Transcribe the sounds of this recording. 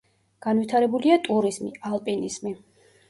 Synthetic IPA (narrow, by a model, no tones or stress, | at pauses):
ɡ̥anvit̪ʰaɾɛbuliat̪ʼuɾizmḭalˠpʼiniz̥mi